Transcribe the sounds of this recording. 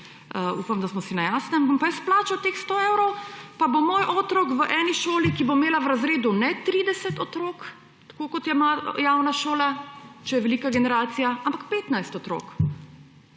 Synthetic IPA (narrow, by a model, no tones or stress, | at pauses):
əṵːpamd̪asmɔsinajaːsnambɔmpajəsplaːt͡ʃɐwt̪eːxst̪oːewɾɔwpabomoːjʔɔːt̪ɾɔkʋəʔɛːniʃoːlikibomeːlaʋɾazɾeːd̪unɛt̪ɾiːd̪ɛsɛt̪ɔt̪ɾoːk | t̪ḁkoːkɔt̪jɛmajawnaʃoːlat͡ʃɛjɛʋɛlikaɡɛnɛɾaːt̪sijaampakpeːt̪najst̪ɔt̪ɾo̰ːk